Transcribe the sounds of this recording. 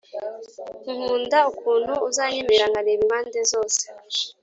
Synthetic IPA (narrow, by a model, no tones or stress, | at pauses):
uhuːndaukʰuːn̤uːzaɲemeɾaŋɡaneβiβaːndezoːse̥